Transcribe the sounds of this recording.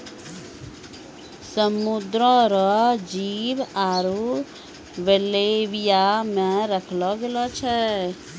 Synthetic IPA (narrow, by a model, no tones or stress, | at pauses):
səmud̪ɾɔɾɔd͡ʒiːbaːɾu | ʋeleʋijamɛ̃ɾəkʰlɔɡelɔt͡ʃʰɛ